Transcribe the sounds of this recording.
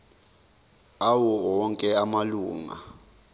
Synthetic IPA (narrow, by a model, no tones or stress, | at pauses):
awɔwɔŋkʼɛamaluːŋa̰